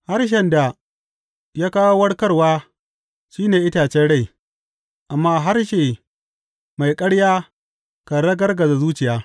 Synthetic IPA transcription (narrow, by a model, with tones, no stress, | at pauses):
ha˦rʃ̬ɛ˦nda˨ | jaː˦kaː˦wo˦wɐ˦ɽkɐ˦rwaː˦ | ʃiː˦neː˨ʔɪ˦taː˨t͡ʃɛ˦nɽa˦˨j | ʔa˨mːaː˦ɦa˦rʃeː˨ | ma˨jkʼɐ˦ɽjaː˦ | ka˨ɽɐ˦ɡɐ˦rɡɐ˨za˨zuː˦t͡ʃɪ˨jaː˦